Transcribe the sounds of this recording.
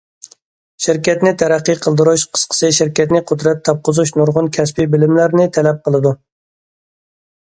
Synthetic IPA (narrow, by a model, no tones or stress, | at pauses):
ʃiɾkʲɛt̪nɪt̪ʰɛɾæqːiqʰəlˠd̪ɨɾuʃqʰə̥sqʰə̥sɨʃiɾkʲɛt̪nɪqʰʊd̪ɾɛt̪ʰːɑp̚qʊzuʃnuɾʁʊnkʲʰɛspibɪlɪmlæɾnɪt̪ʰɛlɛp̚qʰəlˠɨd̪u